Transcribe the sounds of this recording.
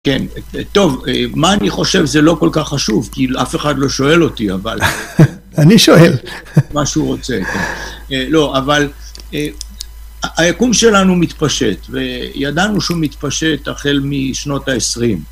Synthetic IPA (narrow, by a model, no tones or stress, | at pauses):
ke̞nt̪o̞vemaːniχo̞ʃe̞vzelo̞ko̞lkaχːaʃuvkiafe̞χad̪lo̞ʃo̞e̞lo̞tia̰val | aniʃoelmaʃuʁo̞t͡se̞ke̞̰nelo̞ʔaval | e | ajakumʃe̞lanumit̪paʃe̞t̪ve̞jad̪anuʃeumit̪paʃe̞taχe̞lmiʃno̞taesʁim